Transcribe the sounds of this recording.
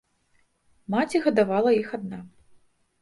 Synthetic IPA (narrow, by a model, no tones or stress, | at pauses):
mat͡sʲiɣɐd̪avalˠɐjixad̪na